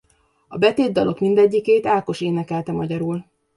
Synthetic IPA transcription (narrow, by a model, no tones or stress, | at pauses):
ɒbɛt̪eːd̪ːɒlʔo̞kmind̪ɛɟːikeːt̪aːlko̞ʃeːnɛkɛlt̪ɛmɒɟɒɾuːl